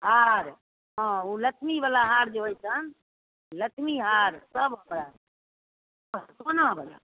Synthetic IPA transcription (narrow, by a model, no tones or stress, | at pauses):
ɦaɾ | ɦãulət͡ʃʰmibalaɦaɾd͡ʒeɦojt͡ʃʰən | lətʰmiɦaɾsəbɦəmɾa | ɦsonabala̰